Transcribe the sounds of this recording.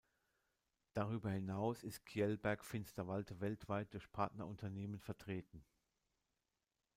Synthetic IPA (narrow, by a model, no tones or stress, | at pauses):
d̥aʁ̞yːbɐhɪnaʊsɪst̚kʰiɛlbɛɐkfɪnstɐvaltʰəvɛltv̥aɪt̚d̥ʊɐçpʰaɐtnɐʊntʰɐneːmənfɛɐtʁ̥eːtn̩